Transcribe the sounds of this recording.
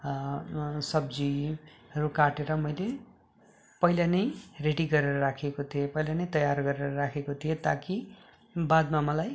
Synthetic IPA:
sʌbd͡ziɾukaʈeɾʌmʌjle | pʌjlanʌjreɽiɡʌɾeɾʌɾakʰekot̪ʰijopʌjlanʌjt̪ʌjarɡʌɾeɾʌɾakʰekot̪ʰijot̪aki | bad̪mamʌlaj

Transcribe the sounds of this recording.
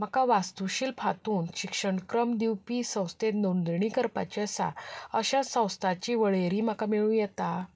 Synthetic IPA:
m̤akaʋast̪uɕiːlpʰat̪uːnɕikʂəɳkɾəmd̪iwpisə̃w̃st̪et̪nond̪ɾɳiːkəɾpa̰t͡ɕasa̰əɕasə̃w̃st̪ʰat͡ɕiːʋəɭeɾiːm̤akamiɭũjɛt̪a

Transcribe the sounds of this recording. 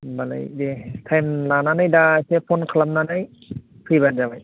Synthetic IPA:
bala̰jdetʰajmlananajdajsepʰɔnkʰalap̚nanaj | pʰɯjband͡ʒabaj

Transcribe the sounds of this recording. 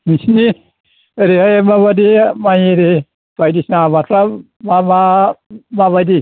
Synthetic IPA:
misni | ɾiɦajmaβadimajɾi | bajdisnabatʰɾa | mama | maβajdi

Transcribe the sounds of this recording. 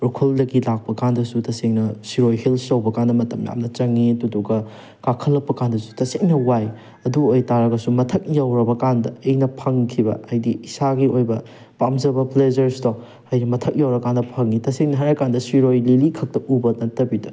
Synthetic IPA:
ɾukʰuldɐɡilak̚pɐkandɐsutɐseŋnɐsiɾojhilsɐwbɐkandɐmɐtɐmja̰mnɐt͡ʃɐŋːituduɡɐ | kakʰɐlːɐpːɐkandɐsu̥tɐseŋnɐwaj | ɐduojtaɾɐɡɐsumɐtʰɐk̚jawɾɐbɐkandɐɐjnɐpʰɐŋkʰibɐ̰ajdiːsaɡiojbɐ | pamzɐbɐpled͡ʒɐɾsto | ajdimɐtʰɐk̚jawɾɐkandɐpʰɐŋːitɐseŋnɐɦaɾɐkandɐsiɾojlilikʰɐk̚tɐʔubɐnɐtːɐbidɐ

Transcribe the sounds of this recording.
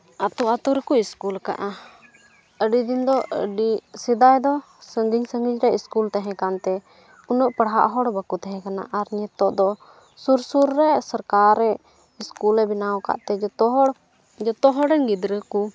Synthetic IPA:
at̪ɔat̪uɾɛkuiskulka̰ʔa | əɖid̪ind̪ɔʔəɖisid̪ajd̪ɔ | səŋɡiɲsəŋɡiɲɾɛʔiskult̪aɦɛ̃kant̪ɛ | unɔʔpəɽɦa̰ʔɦɔɽbəkut̪aɦɛ̃kana̰ʔaɾɲɛt̪ɔʔd̪ɔ | suɾsuɾːɛʔsəɾkaɾːɛʔ | iskulɛbinawɔka̰ʔt̪ɛd͡ʒɔt̪ɔɦɔɽ | d͡ʒɔt̪ɔɦɔɽɛnɡid̪ɾəku

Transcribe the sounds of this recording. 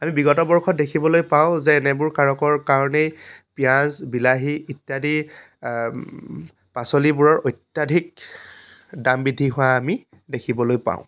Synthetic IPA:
amibiɡɔtɔbɔɹkʰɔtdekʰibɔlojpaw̃zɛːnɛbʊɹkaɹɔkɔɹkaɹɔnejpijãzbilaɦiitːjadi | pasɔlibʊɹɔɹojtjadʱik̚ | dambidʱːiɦʊwaːmi | dekʰibɔlojpã̰ʊ̃

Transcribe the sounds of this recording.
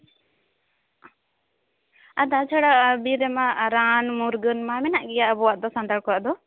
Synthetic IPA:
ad̪at͡ʃʰaɽaʔbiɾɛmaɾaːnmuɾɡənmamɛnaʔɡijaʔbɔaʔd̪ɔsand̪aɭkɔaʔd̪ɔ

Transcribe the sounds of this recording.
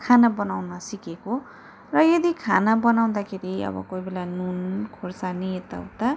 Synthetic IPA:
kʰanabʌnawnasikeko | rʌjʌd̪ikʰanabʌnaw̃d̪akʰeɾiʌ̰bʌ̰kojbelanunkʰorsaniet̪a̰ut̪a

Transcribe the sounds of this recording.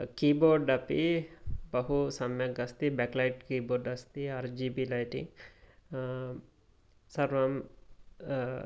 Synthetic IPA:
kiːboːɾɖɐpḭbɐɦusɐmjɐɡɐst̪ibɛːklɐjʈkiːboːɾɖɐst̪iaɾd͡ʒiːbilɐjʈḭ | sɐɾʋɐm

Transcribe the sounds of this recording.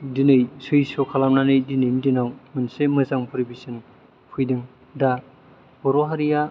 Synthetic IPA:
dinɯjsɯjsɔkʰalamnanɯjdinɯjndinawmɯnsemɯzaŋpʰɯɾibisɯn | pʰɯjdɯŋ | da | bɔɾoɦaɾija

